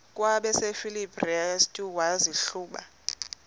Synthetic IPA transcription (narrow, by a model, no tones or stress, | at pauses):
kʼwaɓɛsefilibriastʼuwaziɬuːɓa̰